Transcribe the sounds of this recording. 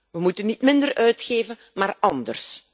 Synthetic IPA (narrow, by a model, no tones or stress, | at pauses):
ʋəmutənitmɪndərʔœɥtxeːvən | maːrɑndə̰rs